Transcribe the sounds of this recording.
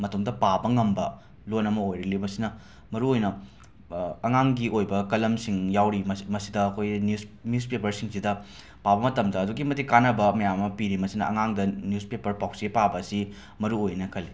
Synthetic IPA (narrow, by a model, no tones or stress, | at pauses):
mɐtomdɐpabɐŋɐmbɐ | lonɐmɐojɾɐlimɐsinɐ | mɐɾuojnɐ | ɐŋaŋɡiojbɐkɐlɐmsiŋjawɾimmɐsidɐːkʰojnusnuspepɐɾsiŋsidɐ | pabɐmɐtɐmdɐːduɡimɐtikanɐbɐmɐjamɐpiɾimɐsinɐʔɐŋaŋdɐnjuspepɐɾpawsipabɐːsi | mɐɾuojnɐkʰɐli